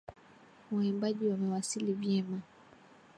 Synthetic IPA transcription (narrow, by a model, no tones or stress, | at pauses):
waimbaʄiwamɛwasilivjɛma